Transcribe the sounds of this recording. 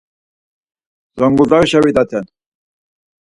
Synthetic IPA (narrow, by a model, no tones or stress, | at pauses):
z̥ɔŋɡud̪aɾʃawid̪at̪ʰɛn